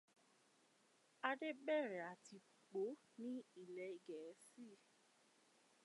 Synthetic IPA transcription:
a˧de˦bɛ˦˨ɾɛ˨a˨ti˧˨k͡po˨˦ | nĩ˦i˦˨lɛ˨˦i˨ɡɛ˨˦si˦˨

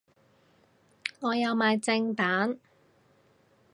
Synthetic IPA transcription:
ŋɔː˨˧jɐ˨˧wmaː˨˧jt͡sɪ˧ŋt̪aː˨˥n

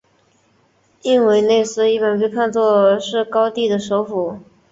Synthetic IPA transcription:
i˥˩nwe˧˥ɪne˥˩ɪsɹ̩˥i˥˩pə˨˩npe˥˧ɪpʰa˥˧nt͡swɔ˥˧ʂɻ̩˥˩kɑ˥ʊt̪i˥˩d̪ə˩ʂo˧˥ʊfu˨˩˦

